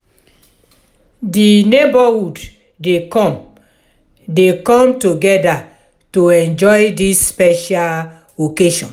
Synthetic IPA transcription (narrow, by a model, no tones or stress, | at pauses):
dinebahud | dekɔ̃m | dekɔ̃mtoɡɛda | toɛ̃nd͡ʒɔjdisːpɛʃal | okeʃɔ̃n